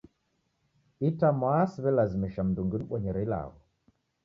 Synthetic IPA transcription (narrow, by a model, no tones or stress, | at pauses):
itamwasiβɛlazimiʃam̩duŋɡinuɓɔɲɛɾɛila̰ɣɔ